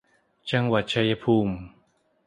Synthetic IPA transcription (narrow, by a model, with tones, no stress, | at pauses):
t͡ɕa˧ŋwa˨˩t̪̚t͡ɕʰa˧jːa˧pʰuː˧m